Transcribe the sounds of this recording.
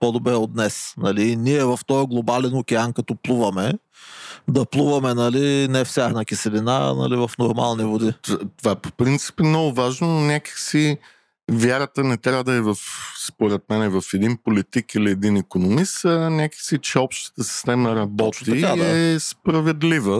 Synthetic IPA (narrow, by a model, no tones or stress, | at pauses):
pod̪obɾɛod̪nɛsnɐliniɛvɐft̪ɔjɡlˠobalɛnokʲɛankɐt̪ɔplˠuvɐmɛ | d̪ɐplˠuvɐmɛnɐlinɛfsʲjaɾnɐkʲisɛlina̰nɐ̰livɐfnoɾma̰lˠnivod̪it̪ovaɛpo̥pɾint̪si̥pɛmnɔɡʊvaʒnononʲakə̥xsi | vʲjaɾət̪ənɛt̪ɾʲavəd̪ɐɛvɐfspoɾɛt̪̚mɛnɛvɐfɛd̪inpolit̪ikiliɛd̪inikonomist̪ənʲakə̥xsit͡ʃɛɔpʃt̪ə̥t̪əsi̥st̪ɛməɾɐbɔt̪ikad̪ɛspɾɐvɛd̪livə